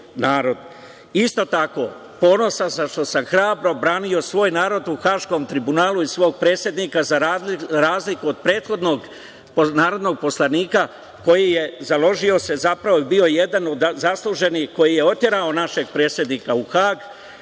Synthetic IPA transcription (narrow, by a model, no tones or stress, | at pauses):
naːɾo̞d̪ | ist̪o̞t̪ako̞ | po̞ːno̞sazaʃt̪o̞samxɾaːbɾo̞bɾaːnio̞sʋo̞ːjnaːɾo̞d̪uxaːʃko̞mt̪ɾibunaːluisʋo̞ːɡ̚pɾe̞ːt̪sje̞d̪nikazaɾaɾaːzlikuod̪̚pɾe̞ːt̪xo̞d̪no̞ɡ | ponaːɾo̞d̪no̞ɡ̚po̞slˠaniːka | ko̞jije̞zalˠo̞ʒio̞se̞zapɾaʋobio̞je̞d̪anod̪zaslˠuʒe̞nixko̞jije̞o̞t̪je̞ɾao̞naʃe̞ɡ̚pɾe̞ːt̪sje̞d̪nikauxaːɡ